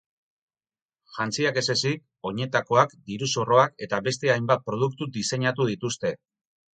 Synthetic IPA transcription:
ʝant͡siake̞se̞sik̚ | o̞ɲe̞t̪ako̞akd̪iɾuso̞ro̞ake̞t̪aβe̞s̬t̪e̞ajmbat̪̚pɾo̞ð̞uk̚t̪ud̪ise̞ɲat̪̬uð̞it̪ust̪e̞

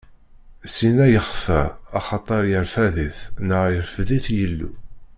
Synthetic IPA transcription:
sinæjəχfæɑχɑt̪ˤɑɾˤjəɾfæðiθnəʁjəɾfðiθjəlːṵ

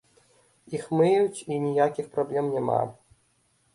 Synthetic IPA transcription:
ixmɨjjut͡sʲinʲijakʲixpɾɔblʲɛmnʲɛma̰

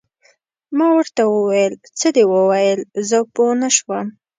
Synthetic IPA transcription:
mɑwəɾt̪awəwajəlt͡səd̪ewəwajəlzəponaʃwəm

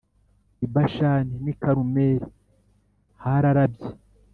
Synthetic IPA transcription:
ibaʃaninikaɾumeːɾi | haɾaɾabje

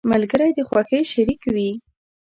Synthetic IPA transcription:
malɡəɾajd̪əxwɑxəjʃaɾikwi

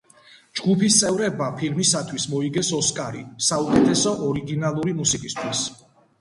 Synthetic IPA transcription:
d͡ʒɡupʰist̪sʼɛvɾɛbapʰilmisat̪ʰwismɔiɡɛsɔskʼaɾḭsaukʼɛt̪ʰɛsɔʔɔɾiɡinalˠuɾimusikʼist̪ʰwis

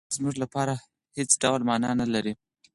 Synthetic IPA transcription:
zmuʐlapɑɾa | het͡sɖawlmɑnɑnalaɾi

